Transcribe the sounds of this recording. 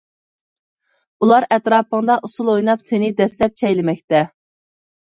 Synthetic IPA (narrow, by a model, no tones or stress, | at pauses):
ulˠɑɾɛt̪ɾɑːpəŋd̪ɑʔusulˠojnɑpsenɪd̪ɛslɛp̚t͡ʃʰɛjlɪmɛkʲt̪ɛ